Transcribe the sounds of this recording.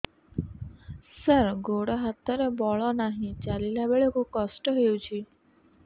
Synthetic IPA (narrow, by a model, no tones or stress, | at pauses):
səɾɡoɽɔɦat̪ɔɾebɔɭɔnaɦĩt͡ʃalilabeɭekukɔsʈɔɦewt͡ʃʰi